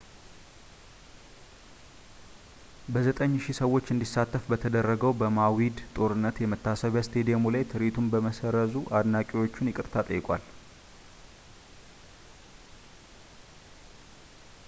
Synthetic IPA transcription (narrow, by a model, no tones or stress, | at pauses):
bəzət̪ʼəɲːʃisəwːo̞t͡ʃːɨnd̪isat̪ːəfbət̪ʰəd̪ərːəɡəwbəmawid̪t̪ʼo̞ɾɨnːət̪jɛmət̪ʰːasəβjast̪ʰed̪ijamulajt̪ʰɨɾit̪ʰumbəməsəɾəzuʔad̪nakʼiwo̞t͡ʃːɪnjɪkʼɨɾt̪ʰat̪ʼəjːɪkʼwa̰l